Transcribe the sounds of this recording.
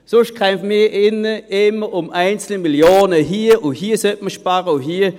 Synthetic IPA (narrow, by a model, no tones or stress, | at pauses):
sʊʃtkʰɛmfmiʔɪnəɪməʊmaɪnt͡sl̩əmiljoːnəɦiːʔʊhiːəsɛt̚məʃpaʁəuɦiː